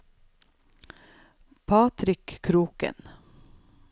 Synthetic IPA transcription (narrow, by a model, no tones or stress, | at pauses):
pʰɑːt̪ɾɪkkʰɾuːkə̰n